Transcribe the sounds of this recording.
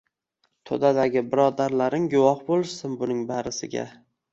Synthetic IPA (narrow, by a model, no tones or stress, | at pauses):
t̪ʰo̰d̪ad̪aɡʲɪbɪɾɒd̪aɾlaɾɪŋɡʊwɒhbolˠɪʃsɪnbʊnɪŋbaɾɪsɪɡʲa̰